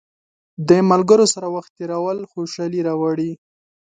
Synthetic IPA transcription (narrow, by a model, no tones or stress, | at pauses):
d̪əmalɡəɾosaɾawaxt̪ːeɾawəlxoʃɑliɾawaɽi